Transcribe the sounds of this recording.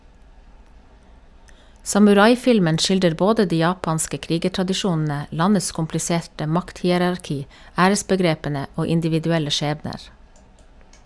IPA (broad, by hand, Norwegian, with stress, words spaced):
sɑmʉˈɾɑɪˌfɪlmən ˈc͡çɪldəɾ ˈboːdə ˈdiː ˈjɑːpɑnskə ˈkɾiːɡəʈɾɑdɪˌʃuːnn̩ə ˈlɑnəs kʊmplɪˈseːʈə ˈmɑkthiːəɾɑɾˌkiː ˈæːɾəsbəˌɡɾeːpənə ˈoː ɪndɪʋɪdʉˈɛlə ˈʃeːbnəɾ